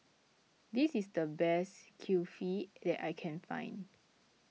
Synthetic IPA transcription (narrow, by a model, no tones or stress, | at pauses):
disisdəbɛskʰufidɛta̰jkʰɛ̃nfã̰ɪ̃n